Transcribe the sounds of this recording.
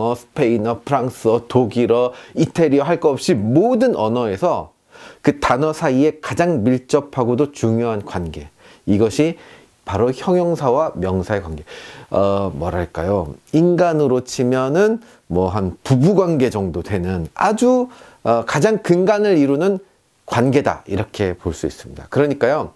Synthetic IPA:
ʌsʰpʰeinʌpʰɯɾaŋs͈ɯʌtoɡiɾʌitʰeɾiʌɦaɭk͈ʌʌp̚ɕ͈imodɯnʔʌ̰nʌe̞sʰʌ | kɯtanʌsʰaie̞kad͡ʑaŋmiɭt͡ɕ͈ʌpʰaɡodot͡ɕuŋjoɦankwanɡe̞̰ | iɡʌɕʰi | paɾoçjʌŋjʌŋsʰawamjʌŋsʰaekwanɡe̞ʌmʌɾɦaɭk͈a̰joinɡanɯɾot͡ɕʰimjʌnɯn | mwʌɦanpubuɡwanɡe̞d͡ʑʌŋdodwe̞nɯnad͡ʑu | ʌkad͡ʑaŋkɯŋɡanɯɾiɾunɯn | kwanɡe̞da̰iɾʌkʰe̞poɭs͈uḭs͈ɯmɲida̰kɯɾʌɲik͈ajo

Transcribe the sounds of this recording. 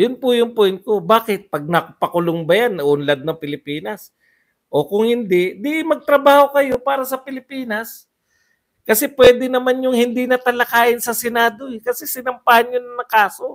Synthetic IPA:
jʊnpʊjʊŋpojnt̪̚ko̞baːkɪt̪̚pɐɡ̚nɐpɐkʊlʊŋbɐjanʔʊnlad̪̚nɐŋpɪlɪpiːnɐs | ʔo̞kʊŋhɪnd̪ɛd̪iʔɪmɐɡ̚t̪ɾɐbaːho̞kɐjo̞paːɾɐsɐpɪlɪpiːnɐs | kɐsɛpwɛːd̪ɛnɐmanjʊŋhɪnd̪inɐt̪ɐlɐkaːʔɪnsɐsɛnaːd̪o̞ɛkɐsɛsɪnɐmpahɐnɲjʊnɐnɐkaːso̞

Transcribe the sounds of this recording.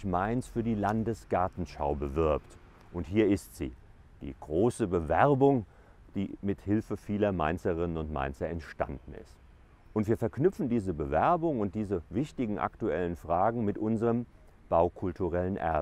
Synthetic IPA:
maɪnsfyːɐdiːlandəsɡ̥aɐtn̩ʃa̰ʊbəvɪɐpt | ʔʊnthiːɐɪstz̥ḭː | d̥ḭːɡ̥ʁoːsəbəvɛɐbʊŋ | d̥iːmɪthɪlfəfiːlɐma̰ɪnt͡səʁɪnənʊntma̰ɪnt͡sɐɛntʃta̰ndn̩ɪ̰st | ʔʊntv̥iːɐfɛɐknʏpp͡fn̩diːzəbəvɛɐbʊŋʊnt̚d̥iːzəvɪçtɪɡŋ̩ʔa̰ktuʔɛlənfʁ̥aːɡŋ̩mɪtʔʊnzəʁəm | b̥aʊkʰʊltuʁɛlənʔɛ̰ɐ

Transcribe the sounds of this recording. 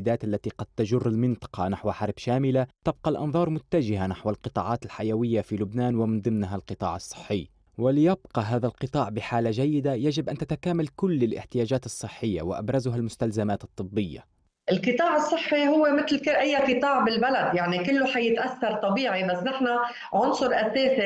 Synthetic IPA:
d̪aːt̪ʔalːat̪iqɑd̪̚t̪aʒʊrːɪlmɪnt̪ˤɑ̥qɑnaħwaħɑɾˤbʃaːmɪlat̪ab̚qɑlʔɑnðˤɑːɾˤmʊt̪ːad͡ʒɪɦanaħwalqɨt̪ˤɑ̰ːʕɑːt̪ɪlħajawɪjːafilʊbnaːnwɪmɪnd̪ˤɨmnɦalqɨt̪ˤɑ̰ːʕɑsˤːɨ̥ħːɪː | wɪlɪjabqɑɦaːðalqɨt̪ˤɑːʕbɪħaːlaʒajːɪd̪ajaʒɪbʔant̪at̪akaːmalkʊlːɪlʔɪ̰ħt̪ɪjaːd͡ʒaːt̪ɨsˤːɨħːɪjːa̰wɪʔa̰bɾˤazʊɦalmʊst̪alzamaːt̪ɨt̪ˤːɨbːɪjːa̰ | ʔɪlqɨt̪ˤɑːʕɨsˤːɨħːihʊwːemɪt̪lɪʔajːaqɨt̪ˤɑːʕbɪlbalad̪jaʕnikɪlːoħajɪt̪ʔaθːɑɾˤt̪ˤɑbiːʕibasːnɪħna | ʕʊnsˤʊɾʔaseːsi

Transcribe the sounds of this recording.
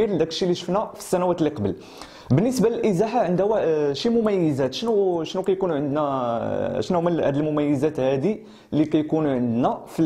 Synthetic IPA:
iɾd̪ækəlʃiliʃəfnæfi̥sːænæwæt̪liqɑbəl | bənːəsbaləlʔəzæħaʕənd̪wæʃimʊmæjːəzæt̪ʃnuʃnukæjkunʕənd̪næ | ʃnuməlhæd̪əlmʊmæjːəzæt̪hæd̪i | likæjkunʕənd̪næfil

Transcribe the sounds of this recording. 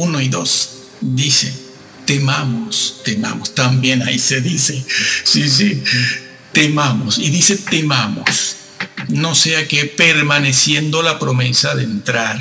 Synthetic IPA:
unoiðo̞s | d̪isḛ | t̪emamost̪ema̰most̪ambje̞naise̞ðisesis̬i | t̪emamosiðise̞t̪emamo̰s | no̞seakepeɾmane̞sje̞nd̪o̞lapɾo̞me̞saðent̪ɾaɾ

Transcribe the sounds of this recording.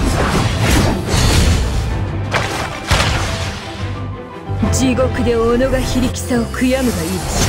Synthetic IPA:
d͡ʑiɡo̞kɯ̟d̪e̞oːnoɡaçiɾʲikʲi̥saokʰɯ̟jamɯ̟ɡaiːd̪esɨ̥

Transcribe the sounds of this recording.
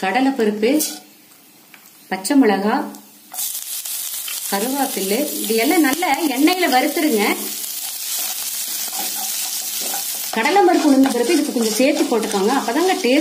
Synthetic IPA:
kɐɽɐlɐpɪɾɯpːɯ | pɐt͡ʃːɐmɯɭɐɣaː | kɐɾɯʋaːpɪlːɯɪðɯjɛlːɐ̃ːnɐlːɐɛɳːɐjɪlɐʋɐɾɯt̪ːɯɾɯŋɡɐ | kɐɽɐlɐmɐɾɯpːɯnɯnd̪ɐpɪɾɯpːɯɪðɯkːɯkːɔɲd͡ʒɐseːɾt̪ːipoːʈːɯkːaːŋɡɐɐpːɐːt̪aːŋɡɐʈeː

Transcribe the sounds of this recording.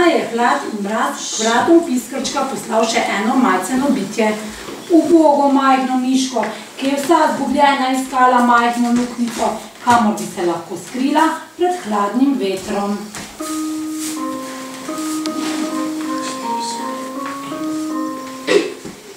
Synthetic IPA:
ajɛxlaːt̪inmɾaːt̪ʋɾaːt̪ɔpiskəɾt͡ʃkapɔslawʃɛʔɛːnɔmajt̪sɛnɔbit̪jɛ | uboːɡɔmajxnɔniːʃkɔ | kijɛwsazɡublʲjɛːnaiskaːlamajxnɔluknisɔ | kamɔɾbisɛlaxkoːskɾilapɾɛt̪xlaːd̪nimʋeːt̪ɾɔm

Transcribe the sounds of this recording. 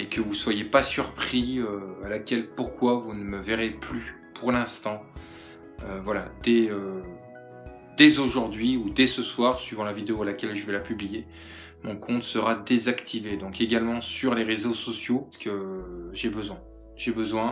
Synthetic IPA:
ekəvuswajepasyʁpχiøalakʲɛlpuʁkwavunəməvɛʁeply | pʰuʁlɛ̃st̪ɑ̃ | øvwalad̪ɛø | d̪ɛzoʒuʁd̪ɥiud̪ɛsəswaʁsɥivɑ̃lavid̪eoalakʲɛlʒəvɛlapyblije | mɔ̃kʰɔ̃t̪səʁad̪ezakt̪ʰived̪ɔ̃keɡʲalmɑ̃syʁleʁezosɔsjosə̥kəʒebəzwɛ̃ | ʒebəzwɛ̃

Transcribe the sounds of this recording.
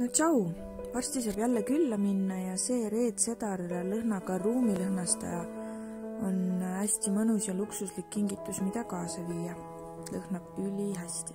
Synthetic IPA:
nott͡ʃɑuw | vɑrsʲt̪is̬ɑːb̥jælːekylːɑminːɑjɑse̞ːɾe̞ːd̪̥se̞t̪ɑrlɤhnɑɡɑruːmilɤhnɑst̪ɑ̰jɑ | o̞næsʲt̪imɤnusjɑluksuslikːiŋɡit̪ːˑusmid̪̥ɑkɑːsɑviːjɑ | lɤhnɑb̥ylʲiɦæsʲt̪i̥

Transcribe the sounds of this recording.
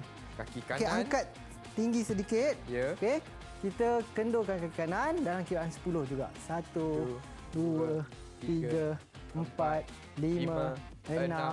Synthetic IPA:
kakioakeaŋkat̪̚ː | iŋɡisədikɪt̪̚oke | kit̪əkəndokankakikanandalamkidaʔansə̥pulʊhd͡ʒuɡa̰ʔsat̪u | duə | t̪iɡə | əmpat̪̚ | limə | əna

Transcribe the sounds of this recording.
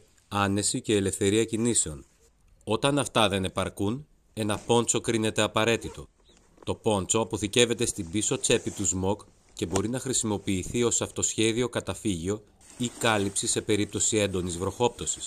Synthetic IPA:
ɐne̞sice̞ːle̞fθe̞ɾiɐcinise̞o̞n | o̞t̪ɐnɐft̪ɐðe̞ne̞pɐɾkun | e̞nɐpo̞nt͡so̞kɾine̞t̪eɐpɐɾe̞t̪it̪o̞ | t̪o̞po̞nt͡so̞ɐpo̞θice̞ve̞t̪e̞st̪ibiso̞t͡se̞pit̪uzmo̞k | ce̞bo̞ɾinɐxɾisimo̞piːθio̞sɐft̪o̞sçe̞ðio̞kɐt̪ɐfiʝio̞ | ikɐlipsise̞pe̞ɾip̚t̪o̞sie̞nd̪o̞nizvɾo̞xo̞p̚t̪o̞si̥s

